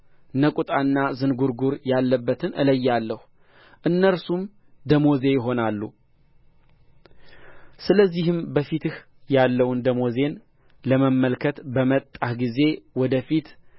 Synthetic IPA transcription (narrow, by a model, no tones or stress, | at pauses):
nəkʼut̪ʼanːazɨnɡuɾɡuɾjalːəbːət̪ʰɨnʔɨ̰ləjːalːəhu | ʔɨnːəɾsum | d̪əmo̞ze̞jɪɦo̞nalːṵ | sɨləzːihɨmbəfit̪ɨh | jalːəwnd̪əmo̞ze̞n | ləməmːəlkʰət̪bəmət̪ʼːahɡize̞wɔd̪əfit̪